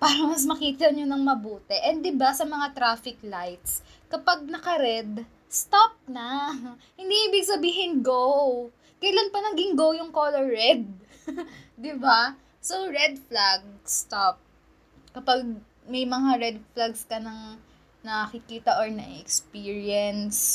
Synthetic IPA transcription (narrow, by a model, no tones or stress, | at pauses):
paːɾɐmɐs̬mɐkiːt̪ɐɐɲonɐŋmɐbuːt̪ɛʔɛnd̪d̪ɪbasɐmɐŋat̪ɾaːfɪk̚lajt̪skɐpaɡ̚nɐkɐɾɛd̪ | st̪ap̚nɐ | hɪnd̪iʔibɪɡ̚sɐbiːɦɪnɡow | kɐjlanpɐnɐŋɡɪŋɡowjʊŋkoːlɔɹːɛd̪̚ | ɪba | soɹɛd̪̚flaɡ̚st̪ap̚ | kɐpaɡ̚ | mɐjmɐŋaɹɛd̪̚flaɡskɐnɐŋ | nɐkɪkiːt̪ɐʔoɹnɐ̰ʔɛkspiːɹjɛns